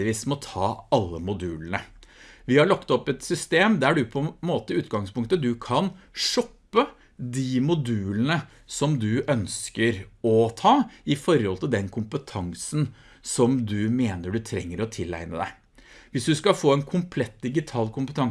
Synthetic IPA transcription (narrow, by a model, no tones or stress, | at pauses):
ɪʋiːsmɛɔt̪ʰɑːɑlːəmʊd̪ʉːlənəʋɪhɑɭɔkːt̪ɔpːɛt̪sʏst̪eːmd̪ææɖʉpʰɔɛmoːt̪əʉːt̪ɡɑŋspʊŋk̚t̪əd̪ʉkʰɑnʂɔpːə | d̪imʊd̪ʉːlənə | sɔmd̪ʉʔœnskəɾɔt̪ʰɑːɪfɔɾhɔlt̪ʰɪld̪ɛnkʰʊmpət̪ʰɑŋsən | sɔmd̪ʉmeːnəɖʉt̪ʰɾɛŋːəɾɔt̪ʰɪlːæ̰ɪnə̰d̪æ̰ɪ | ʋɪsd̪ʉskɑfoːɛnkʰʊmpʰlɛt̪̚d̪ɪɡɪt̪ʰɑːlkʰʊmpət̪ʰɑŋ